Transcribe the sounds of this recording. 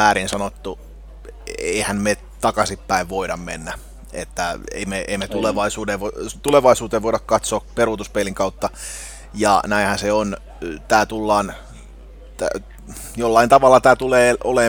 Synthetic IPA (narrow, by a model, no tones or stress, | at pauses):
æːɾinsɑnot̪ːu | ḛihænme | t̪ɑkɑsipːæiʋʋoiɾɑmmḛnːæ | ḛt̪ːæḛimeʔemet̪uleʋɑisuːdeʋot̪uleʋɑisuːt̪eʋʋoiɾɑkkɑt̪soːperut̪uspeliŋkɑut̪ːɑ | jɑ̰næinhænseon | t̪æːt̪ulːɑːn | t̪æ̰ | jolːɑint̪ɑʋɑlːɑt̪æːt̪uleːʔole